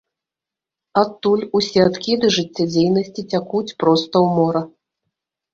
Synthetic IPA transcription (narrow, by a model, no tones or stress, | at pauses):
at̪ːulʲusʲɛat̪kʲid̪ɨʐɨt͡sʲːad͡zʲejnɐsʲt͡sʲit͡sʲakut͡sʲpɾɔst̪ɐwmɔɾɐ